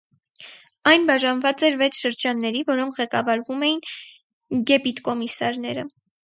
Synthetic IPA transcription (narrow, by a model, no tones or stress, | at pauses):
ɑjnbɑʒɑnvɑt͡sɛɾvɛt͡sʰʃəɾd͡ʒɑnːɛɾivɔɾɔŋkʰʁɛkɑvɑɾvumɛjin | ɡɛpit̪kɔmisɑɾnɛɾə